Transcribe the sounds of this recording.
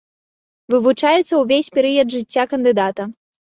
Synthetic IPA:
vɨvut͡ʂajɛt̪sːɐwvʲesʲpʲɛɾɨjɐd̪ʐɨt͡sʲːakɐnd̪ɨd̪at̪ɐ

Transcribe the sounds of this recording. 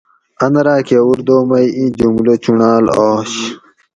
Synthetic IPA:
ɐnɐɾaːkewuɾd̪oːmɐjĩd͡ʑumlot͡ɕuɳaːlaːɕ

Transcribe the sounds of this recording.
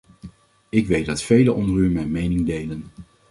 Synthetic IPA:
ɪkʋejt̚dɑtfejləʔɔndəɾymɛjmejnɪŋdejlən

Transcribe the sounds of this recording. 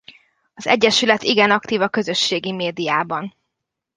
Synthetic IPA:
ɒzɛ̰ɟːɛʃylɛt̪iɡɛnɒkt̪iːvɒkø̞zø̞ʃːeːɡimeːd̪ijaːbɒn

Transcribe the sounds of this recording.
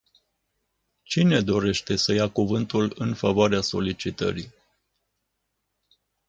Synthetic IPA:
t͡ʃine̞d̪o̞ɾe̞ʃt̪e̞səjakuvɨnt̪ulɨnfavoaɾeaso̞lit͡ʃit̪ə̰ɾi

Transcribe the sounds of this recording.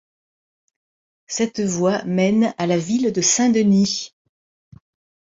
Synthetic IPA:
sɛt̪vwamɛnalavild̪əsɛ̃d̪əni

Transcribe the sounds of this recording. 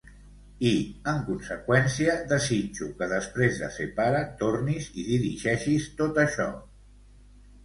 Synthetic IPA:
iəŋkunsəkwɛnsiəðəzid͡ʒukəðəspɾezðə̰sepaɾət̪orniziðiɾiʒɛʃist̪ot̪əʃɔ

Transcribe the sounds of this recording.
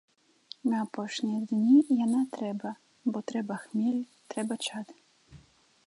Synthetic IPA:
nɐːpɔʂnʲid̪nʲijanat̪ɾɛbɐ | bɔt̪ɾɛbɐxmʲelʲ | t̪ɾɛbɐt͡ʃat̪

